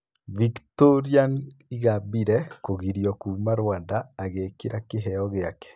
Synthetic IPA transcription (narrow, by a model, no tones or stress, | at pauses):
viktoɾianiɣabiɾɛkoɣiɾjɔkumaɾwandaːɣekiɾakeɦɛɔɣeakɛ̥